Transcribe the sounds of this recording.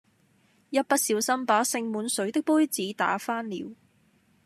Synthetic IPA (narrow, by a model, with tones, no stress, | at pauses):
jɐ˥t̚pɐ˥t̚siː˨˧wsɐ˥mpaː˨˥sɪ˧ŋmuː˨˧nsɵ˨˥ɥt̪ɪ˥k̚puː˥jt͡siː˨˥t̪a̰ː˨˥faː˥nliː˨˧w